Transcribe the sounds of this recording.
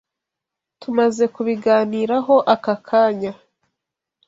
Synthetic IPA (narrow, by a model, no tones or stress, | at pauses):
tumaze̞kuβiɡaːniːɾaɦo̞ʔakakʰaːɲa